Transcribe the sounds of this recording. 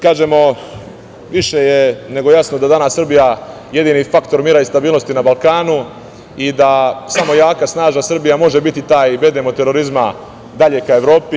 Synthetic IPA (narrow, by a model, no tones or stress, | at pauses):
kaːʒe̞mo̞ | ʋiʃe̞jene̞ɡo̞jasno̞d̪ad̪anasːr̩bija | je̞d̪iːnifakt̪o̞ɾmiːɾaist̪abiːlˠno̞st̪inabalˠkaːnu | id̪asamo̞jaːkasnaːʒasr̩bijamo̞ʒe̞bit̪it̪aːjiʋe̞d̪emo̞t̪e̞ɾo̞ɾizma | d̪aʎe̞kae̞ʋɾo̞ːpi